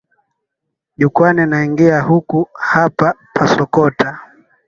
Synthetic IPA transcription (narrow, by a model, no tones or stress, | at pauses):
ʄukwaninaiŋɡiahukuhapapʰasɔkɔtʰa